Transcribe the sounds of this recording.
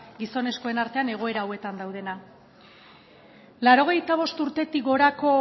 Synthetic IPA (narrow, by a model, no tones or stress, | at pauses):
ɡiso̞ne̞sko̞e̞naɾt̪e̞ane̞ɣ̞o̞e̞ɾawe̞t̪and̪awð̞e̞na | laɾo̞ɣ̞e̞jt̪aβ̞o̞st̪uɾt̪e̞t̪iɡo̞ɾako̞